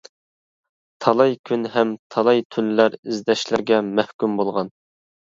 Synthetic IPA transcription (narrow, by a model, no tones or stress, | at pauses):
t̪ʰɑlˠɑjkʲʰynɦɛmt̪ʰɑlˠɑjt̪ʰyllæɾɪzd̪ɛʃlɪɾɡʲɛmɛhkʲymbolˠʁɑn